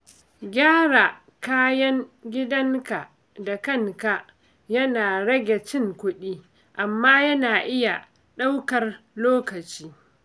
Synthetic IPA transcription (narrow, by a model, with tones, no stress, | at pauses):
ɡʲaː˦ɾa˨ | kaː˦jɐ˦ŋɡʲɪ˦dɐ˦ŋka˨ʔ | da˨kɐ˦˨ŋka˨ʔ | jɐ˦naː˨ɽɐ˦ɡʲe˨t͡ʃɪ˦ŋkʷʊ˦ɗiː˦ | ʔa˨mːaː˦jɐ˦naː˨ʔɪ˦ja˨ | ɗa˦wkɐ˨rloː˦kɐ˨t͡ʃiː˦